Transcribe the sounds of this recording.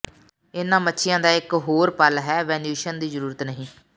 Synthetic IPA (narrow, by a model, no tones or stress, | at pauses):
ɪnãːmətːʃʰɪjãːd̪aːɪkɦoːɾpəlɦɛːʋɛ̃ːnjuːʃənd̪iːzəɾuːɾət̪nəɦĩː